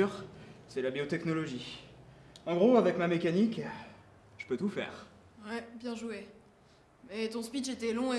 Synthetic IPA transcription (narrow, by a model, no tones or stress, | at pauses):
yʁsɛlabjot̪ɛknɔlɔʒi | ɑ̃ɡʁoavɛkmamekanik | ʒ̥əpøt̪ufɛ̰ːʁ | wɛbjɛ̃ʒue | mɛt̪ɔ̃spit͡ʃet̪ɛlɔ̃e